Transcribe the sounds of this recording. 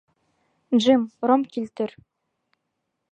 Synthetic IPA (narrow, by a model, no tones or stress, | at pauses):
ʒɘmɾomkilʲt̪ɘ̆ɾ